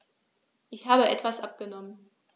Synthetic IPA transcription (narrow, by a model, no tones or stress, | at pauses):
ʔɪçhaːbəʔɛtv̥asʔap̚ɡ̥ənɔmən